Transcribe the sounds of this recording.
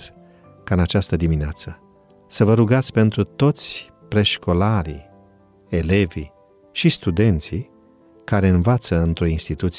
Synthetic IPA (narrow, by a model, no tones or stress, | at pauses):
kaɨnat͡ʃast̪əd̪imineat̪sə | səvəɾuɡat̪sʲpe̞nt̪ɾut̪o̞t̪sʲ | pɾe̞ʃko̞laɾḭ | e̞le̞vḭ | ʃist̪ud̪e̞nt̪si | kaɾe̞ɨnvat̪səɨnt̪ɾo̞inst̪it̪ut̪s